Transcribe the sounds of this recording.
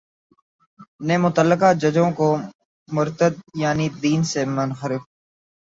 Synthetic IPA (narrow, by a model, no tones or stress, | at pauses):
neːmʊt̪əlːəkad͡ʒəd͡ʒõːko | mʊɾt̪əd̪̚jaːnid̪iːnsemənxəɾɪf